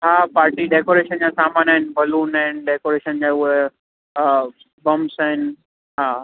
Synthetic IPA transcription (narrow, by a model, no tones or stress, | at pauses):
ɦaːpaːɾʈiɖeːkoːɾeːʃənd͡ʑasaːmaːnaɦɪnbɐluːnaɦɪnɖeːkoːɾeːʃənd͡ʑaːʊɦe | bɐ̃msaːɦɪnɪ̆ | ɦaː